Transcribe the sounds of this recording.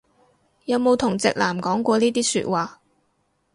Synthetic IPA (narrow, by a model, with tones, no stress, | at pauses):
jɐ˨˧wmo˨˧wt̪ʰʊ˨˩ŋt͡sɪ̰˨k̚laː˨˩mkɔː˨˥ŋkʷɔː˧niː˥t̪iː˥sy̰ː˧t̚waː˨